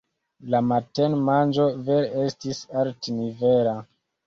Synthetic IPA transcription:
lamatenmand͡ʒo̞veɾestisaltiniveɾa

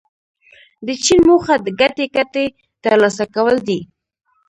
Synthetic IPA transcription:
d̪ət͡ʃinmoxad̪əɡat̪ekat̪e | t̪əɾlɑsakawəld̪i

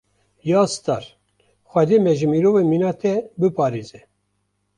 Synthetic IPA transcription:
jɑːst̪ɑ̰ːɾ | xʷɛd̪eːmɛʒɨmiːɾoːveminɑːt̪ʰɛbɨpʰɑːɾeːzɛ

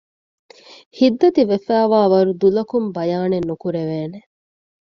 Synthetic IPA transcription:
hid̪ːɐt̪iʋefæːʋaːʋɐɾud̪ulɐkumbɐjaːnenːukuɾeʋeːne

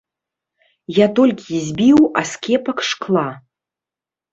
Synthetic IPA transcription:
jat̪ɔlʲkʲizʲbʲiwa̰skʲɛpɐkʂklˠa

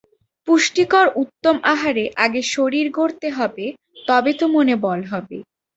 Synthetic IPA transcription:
puʃʈikɔɾʔut̪ːomaɦaɾeʔaɡeʃoɾiɾɡoɾt̪eɦɔbe | t̪ɔbet̪omonebɔlɦɔbḛ

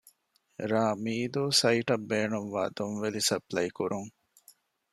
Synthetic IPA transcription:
ɾaːmiːd̪uːsɐiʈɐbːeːnuʋʋa̰ːd̪onʋelisɐplɐjkuɾuŋ

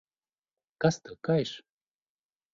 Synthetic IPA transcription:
kast̪əkajʃ

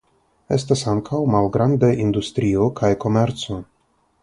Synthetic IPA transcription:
e̞stasaŋkʰawmalɡɾandaind̪ust̪ɾio̞kʰajko̞me̞ɾt͡so̞

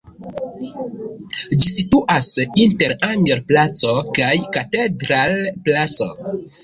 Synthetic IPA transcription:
d͡ʒisituʔasinteɾaŋɡeɾplat͡so̞kajkatedɾalplat͡so̞̰

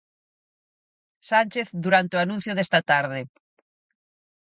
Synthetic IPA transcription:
sanʲt͡ʃeθd̪uɾant̪eoanũn̟θjʊðest̪ɐt̪aɾðɪ

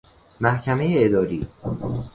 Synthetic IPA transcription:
mæhcʰæme̞jeːd̪ɒːɾiː

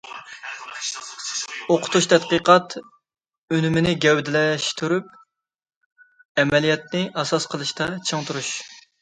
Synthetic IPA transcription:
oqʰʊ̥t̪uʃt̪ʰɛt̪qəqʰɑt̪ | ønymɪnɪɡʲɛwd̪ɪlɛʃt̪ʰuɾyp̚ | ɛmɛlijɛt̪̚nɪʔɑsɑsqʰəlˠɨʃt̪ɑt͡ʃʰəŋt̪ʰuɾuʃ

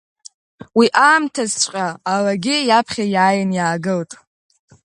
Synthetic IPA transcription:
wiʔaːmtʰazt͡ɕʷʼqʲʼaːlaɡʲɪjapʰχʲajaːjanjaːɡɨltʼ

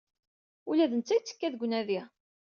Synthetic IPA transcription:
ulæðənt͡sːæjt͡sːə̥kːæðɡʷːnæði

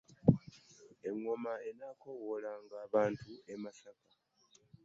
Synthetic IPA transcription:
e̞ŋːo̞maenaːkowolaŋɡaːβaːntue̞masaka

